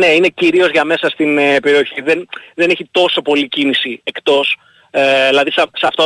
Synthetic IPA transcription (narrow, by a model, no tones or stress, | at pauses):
ne̞ine̞ciɾio̞zʝɐme̞sɐst̪inepe̞ɾio̞çiðenðe̞neçit̪o̞so̞po̞licinisiekt̪o̞s | eðilɐðisɐsɐft̪o